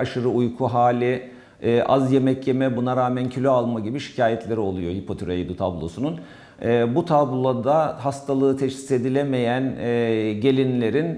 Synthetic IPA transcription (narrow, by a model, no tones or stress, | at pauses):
aʃɯɾɯujkʰuɦaːlʲɪː | ʔazjemɛcjemɛbunaɾaːmæncʰylʲøalˠmaɟibiʃi̥cʰaːjɛt̪ʰlʲe̞ɾio̞lˠujo̞hipʰo̞t̪ʰyɾejd̪ut̪ʰablˠo̞̰sununː | but̪ʰablˠod̪aɦast̪ʰalˠɯːt̪ʰɛʃsi̥se̞d̪ilʲeme̞jænːɟe̞lʲinlʲe̞ɾin